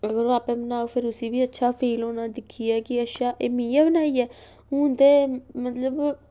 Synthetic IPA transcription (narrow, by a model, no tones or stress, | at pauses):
əɡəɾoːaːpɛ̃ːbənaːopʰɪɾʊsiːbiːətːʃʰaːpʰeːloːnãːd̪ɪkʰːiːɛːkɪəʃaːʔeːmĩːaːbənaːiːɛː | ɦũːnd̪eːmət̪ləb